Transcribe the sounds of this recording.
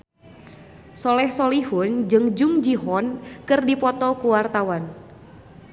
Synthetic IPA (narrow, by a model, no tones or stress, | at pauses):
sɔlɛhsɔlihʊnd͡ʒɨŋd͡ʒʊŋd͡ʒiɦɔnkɨrdipɔt̪ɔkuwart̪awan